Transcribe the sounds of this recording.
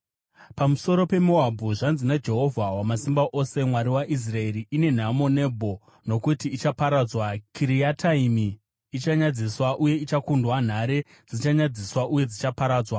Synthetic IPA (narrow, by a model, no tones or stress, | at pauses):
pamuso̞ɾo̞pe̞moabʱuʐanzinad͡ʒe̞ɦo̞vʱawamasimbaʔo̞se̞mwaɾiwaʔis̬rae̞ɾiʔine̞n̤amo̞ne̞bʱo̞ | no̞kutiːt͡ʃapaɾad͡zwakʰiɾiatʰaimiː | t͡ʃaɲad͡ziswaʔuje̞it͡ʃakundwan̤aɾe̞ | d͡zit͡ʃaɲad͡ziswaʔuje̞d͡zit͡ʃapaɾaːd͡zwa